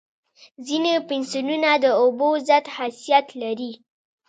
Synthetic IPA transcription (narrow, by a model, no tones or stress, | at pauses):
zinepɪnsununad̪əobozat̪hasijat̪laɾi